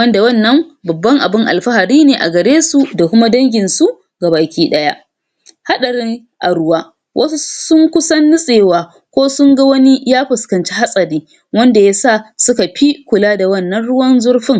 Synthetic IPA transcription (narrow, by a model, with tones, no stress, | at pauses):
wɐ˦nda˨wɐ˦nːɐ˦mbɐ˨bːɐ˦ŋʔa̰˨bɪ˦ŋʔa̰˨lɸa˦ha˨ɾiː˦neː˨ʔa̰˨ɡɐ˨ɽeː˦su˨da˨kʷʊ˦ma˦dɐ˦ŋɡʲɪ˨nsu˦ʔ | ɡa˨baː˨kʲiː˦ɗɐ˦ja̰˦ʔ | ha˦ɗɐ˨ɽɪ˦ŋ | ʔa˨ɽʊ˦waː˦ | wʔɐ˦su˦sʊ˦ŋkʷʊ˦sɐ˦nːʊ˦sʼeː˨waː˨ | kʷoː˦sʊ˦ŋɡa˦wɐ˦ni˦jaː˦ɸɪ˨skɐ˨nt͡ʃi˦ha˦sʼɐ˨ɾiː˦ | wɐ˦nda˨ja˦saː˦˨sʊ˦ka˨ɸi˦kʷʊ˨laː˦da˨wɐ˦˨nːɐ˦nɽʊ˦wɐ˦nzʊ˦ɽɸɪ˦ŋ